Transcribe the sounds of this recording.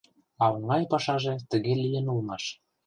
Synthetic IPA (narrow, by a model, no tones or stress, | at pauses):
ɑɤŋɡɑjpɑʃɑʒĕt̪ə̆ɣelijənulmɑʃ